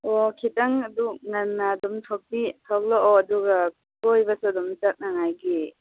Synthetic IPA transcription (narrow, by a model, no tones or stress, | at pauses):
ɔkʰitaŋɐduŋanːadɔmtʰɔk̚bitʰak̚lɔʔɔːduɡa | kojbasudɔmt͡ʃat̚naŋajɡi